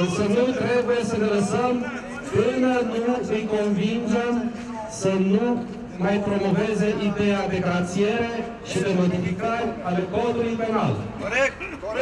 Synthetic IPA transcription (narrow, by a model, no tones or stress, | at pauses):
sənut̪ɾe̞buje̞səneləsəm | pɨnənuɨjko̞nvind͡ʒem | sənu | majpɾo̞mo̞ve̞ze̞ʔid̪e̞ad̪e̞ɡɾat̪sie̞ɾe̞ | ʃid̪e̞mo̞d̪ifikaɾʲalekolulijpena̰l